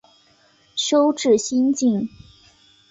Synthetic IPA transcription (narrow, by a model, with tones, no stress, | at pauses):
ɕjo˥ʊʈ͡ʂɻ̩˥˩ɕi˥nt͡ɕi˥˩n